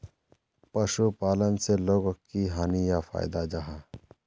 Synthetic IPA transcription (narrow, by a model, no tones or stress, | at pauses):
pɐʃupaːlənseloːɡokːiɦaːnijafʰa̰ːjd̪ajd͡ʒaɦa